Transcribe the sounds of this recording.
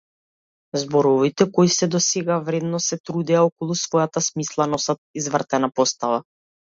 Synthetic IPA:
zbɔɾɔvit̪ɛkɔisɛd̪ɔsɛɡavɾɛd̪nɔsɛt̪ɾud̪ɛaɔkɔlˠusvɔjat̪asmislˠanɔsat̪̚izvr̩t̪ɛnapɔst̪ava

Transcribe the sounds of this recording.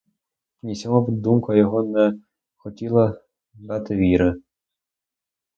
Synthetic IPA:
nʲisʲɔɦɔvd̪umkɐjɔɦɔnɛ | xɔtʲilˠɐ | d̪ɑt̪ɪʋʲiɾɪ

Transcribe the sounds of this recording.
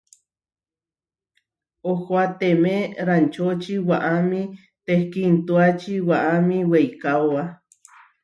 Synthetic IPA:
ohoat̪emẽɾant͡ʃot͡ʃiwaʔamĩ | t̪ehkint̪uat͡ʃiwaʔamĩwejkaoa

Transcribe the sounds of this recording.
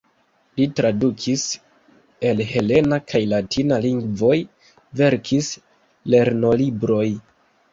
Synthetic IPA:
litɾadukʰis | e̞lhe̞le̞nakʰajlatʰinaliŋɡvo̞j | ve̞ɾkʰis | le̞ɾno̞libɾo̞j

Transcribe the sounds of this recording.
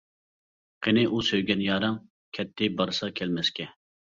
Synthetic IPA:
qʰenɪʔusøjɡʲɛnjɑːɾɑŋ | kʲʰɛt̪ʰːɪbɑɾsɑkʲʰɛlmɛskʲɛ

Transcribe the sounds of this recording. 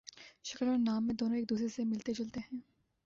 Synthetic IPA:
ʃɐkəlɔːɾnaːmːẽd̪oːnõeːk̚d̪uːsɾesemɪlt̪ed͡ʒɐlt̪eɦɛ̃ː

